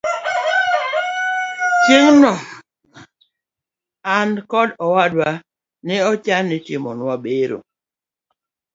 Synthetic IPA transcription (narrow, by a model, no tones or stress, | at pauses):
t͡ʃeŋnɔ | ankɔdɔwadwa | nɪɔt͡ʃanːɪtɪmɔ̰nwabeɾo̰